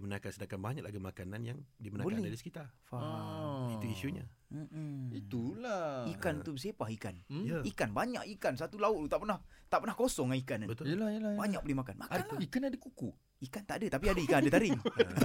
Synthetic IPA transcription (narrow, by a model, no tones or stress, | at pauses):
imənakansədakanbaɲaklaɡimakananjaŋdimənabolanɛhdadisə̥kit̪arfait̪uisuɲa̰ | it̪ulaikant̪ubəs̬epahikanjaikanbaɲa̰ʔikans̬at̪ulaʊt̪lut̪aʔpənaht̪aʔpənahkosɔŋaikanabət̪ojəlajalabaɲak̚bəlihmakanmakikanadəkuku | ikant̪aʔadat̪apiadəikanadət̪aɾɪŋ